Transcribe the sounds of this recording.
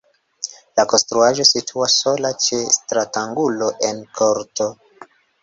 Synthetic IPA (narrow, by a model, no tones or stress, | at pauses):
lako̞nstɾuaʒo̞sitʰuaso̞lat͡ʃestɾataŋɡulo̞ʔe̞nkʰo̞ɾto̞